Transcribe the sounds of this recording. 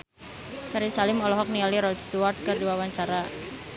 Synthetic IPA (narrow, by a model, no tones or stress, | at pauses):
kaɾisalɪmɔlɔɦɔk̚nialiɾɔdst̪uart̪̚kɨrdiwawaɲt͡ʃaɾa